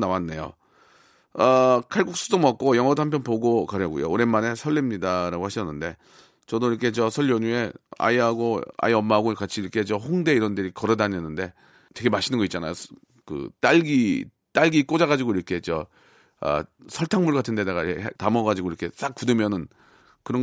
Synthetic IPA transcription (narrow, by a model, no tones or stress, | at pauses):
nawanːe̞jo̰ | ʌkʰaɭɡuk̚s͈udomʌk̚k͈ojʌŋɦʌdohampʰjʌnpoɡokaɾjʌɡṵjo̰oɾe̞nmane̞sʰʌɭːemɲidaɾaɡohaɕʰʌnːɯnde̞ | t͡ɕʌdoiɾʌkʰe̞t͡ɕʌsʰʌʎjʌɲue̞a̰iɦaɡoa̰iʌmːaɦaɡokat͡ɕʰiiɾʌkʰe̞t͡ɕʌhoŋde̞iɾʌndɯɾikʌɾʌdaɲenːɯnde̞ | twe̞ɡe̞maɕʰinɯnɡʌit̚t͡ɕ͈ana̰jo | kɯ̰t͈aɭɡi | t͈aɭɡik͈od͡ʑaɣad͡ʑiɡoiɾʌkʰet͡ɕʌ | ʌ̰sʰʌɭtʰaŋmuɭɡatʰɯndedaɡatamʌɡad͡ʑiɡoiɾʌkʰe̞s͈ak̚k͈udɯmjʌnɯn | kɯɾʌ